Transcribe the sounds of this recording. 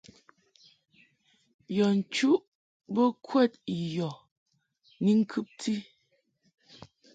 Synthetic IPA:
jɔ˨n̩˨t͡ʃu˦ʔ | bə˦kʰwɛ˦˨t̚jɔ˨ | ni˦ŋ̩˦kʰʉ˦p̚ti˦

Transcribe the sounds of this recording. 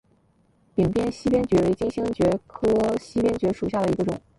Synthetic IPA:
pi˨˩ŋpjɛ˥nɕi˥pjɛ˥nt͡ɕɥɛ˧˥ɻe˧˥t͡ɕi˥ŋɕi˥ŋt͡ɕɥɛ˧˥kʰɤ˥ɕi˥pjɛ˥nt͡ɕɥɛ˧˥ʂu˨˩ɕja˥˩d̪ə˩i˧˥ɡə˧ʈ͡ʂʊ̰˨˩˦

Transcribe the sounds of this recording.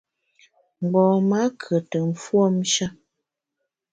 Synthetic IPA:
ŋ͡m̩˨ɡ͡bɔ̃ː˨ma˦kʰə˨tə˨m̩˨fwo˦m̩˦ʃa˦

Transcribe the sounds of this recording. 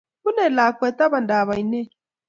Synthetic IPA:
u˦nɛ˨la˨kwɛ˨ta˦βa˨nda˨βa˨i˨nɛ˦

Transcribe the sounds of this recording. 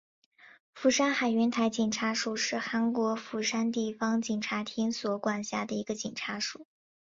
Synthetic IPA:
fu˧˥ʂa˥nxa˨˩ɪɥɛ˧˥nt̪ʰa˧˥ɪt͡ɕi˨˩ŋʈ͡ʂʰa˧˥ʂu˥˧˩ʂɻ̩˥˩xa˧˥nkwɔ˧˥fu˧˥˩ʂa˥nt̪i˥˩fɑ˥ŋt͡ɕi˨˩ŋʈ͡ʂʰa˧˥t̪ʰi˥nswɔ˧˥kwa˨˩nɕja̰˥˩d̪ə˩i˧˥ɡə˧t͡ɕi˨˩ŋʈ͡ʂʰa˧˥ʂu˥˩˦

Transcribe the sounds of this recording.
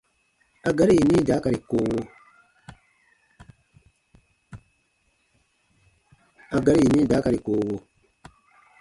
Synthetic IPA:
a˨ɡa˦ɾi˦ji˨nĩː˦˨daː˨˦ka˨ɾi˨koː˦wo˦ | a˨ɡa˦ɾi˦i˨nĩ˦˨daː˨˦ka˨ɾi˨koː˦wo˦

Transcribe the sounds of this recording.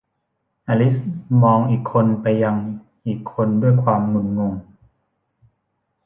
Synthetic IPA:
ʔaː˧li˦˥smɔː˧ŋʔiː˨˩kʰːo˧npa˧jːa˧ŋ | ʔiː˨˩kʰːo˧ndu˥˩əjkʰwaː˧mŋu˨˧˩nŋo˧ŋ

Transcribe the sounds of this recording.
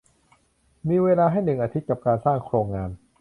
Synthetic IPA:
miː˧weː˧laː˧ɦa˥˩jnɯ˨˩ŋʔaː˧t̪ʰi˦t̪̚ka˨˩p̚kaː˧nsaː˥˩ŋkʰɾoː˧ŋːaː˧n

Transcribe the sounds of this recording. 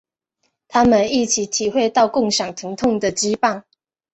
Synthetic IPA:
t̪ʰa˥mə˨ni˥˩t͡ɕʰi˨˥t̪ʰi˨˩xwe˥˧ɪt̪ɑ˥˧ʊkʊ˥˩ŋɕjɑ˨˩ŋt̪ʰɤ˧˥ŋt̪ʰʊ˥˨ŋd̪ə˨t͡ɕi˥˦pa˥˩ŋ

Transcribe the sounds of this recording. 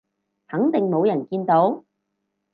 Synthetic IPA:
hɐ˨˥ŋt̪ɪ˨ŋmo˨˧wjɐ˨˩nkiː˧nt̪o˨˥w

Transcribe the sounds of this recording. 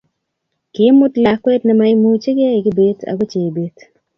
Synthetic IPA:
kɪ˨˦mːʊ˦tla˨kwɛ˦tnɛ˨ma˦ɪ˦mu˦t͡ʃe˦ɡɪ˦a˦ɪ˨ɡɪ˦be˦t̪a̰˨ɡo˦t͡ʃe˨be˦t

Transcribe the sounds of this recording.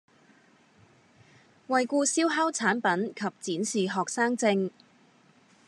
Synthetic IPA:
wɐ˨jkuː˧siː˥wɦa˥wt͡sʰaː˨˥npɐ˨˥nkʰɐ˨p̚t͡siː˨˥nsiː˨ɦɔː˨k̚saː˥ŋt͡sɪ˧ŋ

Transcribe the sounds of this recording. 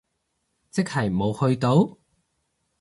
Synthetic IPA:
t͡sɪ˥k̚hɐ˨˩jmo˨˧whɵ˧ɥt̪o˨˥w

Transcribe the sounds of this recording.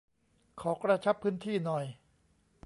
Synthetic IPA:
kʰɔː˩˦kɾa˧t͡ɕʰa˦˥pʰːɯː˦˥nt̪ʰiː˥˩nɔ˨˧j

